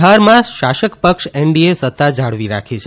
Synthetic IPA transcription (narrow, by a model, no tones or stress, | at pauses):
aɾmãʃaʃəkpəkʃɛɳɖiesət̪ːad͡ʒʱaɽʋiɾa̰kʰet͡ʃʰe